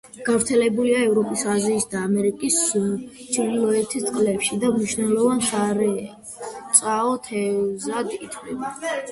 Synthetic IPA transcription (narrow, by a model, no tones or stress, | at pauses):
ɡ̥avɾt̪sʰɛlɛbuliaɛvɾɔpʼisaziːsd̪aːmɛɾikʼist͡ʃʰiɾilˠɔɛt̪ʰist̪sʼqʼlɛpʃid̪amniʃnɛlˠɔvansaɾɛ | t̪sʼaɔt̪ʰɛzat̪ʼkʼit̪ʰɾḭ